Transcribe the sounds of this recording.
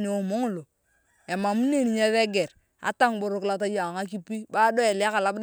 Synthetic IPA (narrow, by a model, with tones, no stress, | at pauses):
ni˨o˦mo˦ŋ˦˨lo˨ | e˨ma˨mu˦ne˦˨ni˨ɲa˦ðe˦ɡe˨ɾ | a̰˨˦ta˦ŋbo˨ɾʊ˦kla˨t̬a˦ja˨ŋa˦k̬i˦pi˦ba˦do˦e˨lka˨la˨b